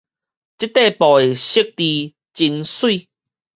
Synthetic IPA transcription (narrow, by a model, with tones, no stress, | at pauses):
t͡ɕi˦˥t̪e˥˧pɔ˨e˨ɕi˦k̚t̪i˧ | t͡ɕi˧nswi˥˧˨